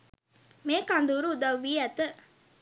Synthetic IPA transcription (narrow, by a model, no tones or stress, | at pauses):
meːkand̪uɾuːd̪ɐʋʋːiːæt̪ə